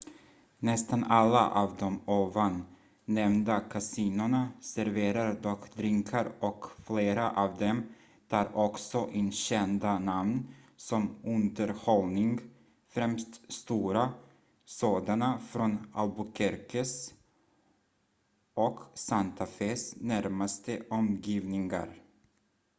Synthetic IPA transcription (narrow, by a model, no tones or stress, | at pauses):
nɛst̪analːa̰ʔɑːvd̪ɔmoːvanː | ɛmnd̪akʰasiːnʊɳasæɾveːɾaɾd̪ɔkd̪ɾɪŋkʰaɾɔkfleːɾaʔɑːvd̪ɛm | t̪ʰɑːɾɔksɔʔɪnɕɛnd̪anamnsɔmɵnd̪əɾhɔlnɪŋɡ | fɾɛmst̪st̪uːɾa | soːd̪anafɾɔnalbʊkʰɛɾkʰəs | ʔɔksant̪ʰafeːsnæɾmast̪əʔɔmjiːvnɪŋa̰ɾ